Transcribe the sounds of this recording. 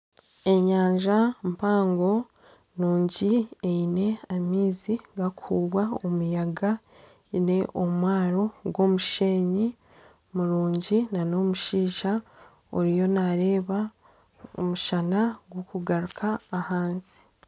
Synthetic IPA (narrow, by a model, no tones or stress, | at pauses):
e̞ɲaːɲʒampaːŋɡo̞ | nuːɲɟieine̞amiːziɡakʰuːβwaomujaɡa | ine̞ʔomwaːɾo̞ɡwo̞ːmuʃe̞ːɲi | muɾuːɲɟinano̞ːmuʃiːʃa | oɾijo̞naɾe̞ːβa | o̰muʃanaɡwokuɡaɾukʰaːhaːnzi̥